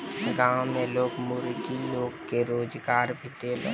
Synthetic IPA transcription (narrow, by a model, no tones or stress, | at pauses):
ɡãwmẽloːɡmʊɾɡiloːɡkeɾoːd͡ʒɡaːɾbʱit̪elo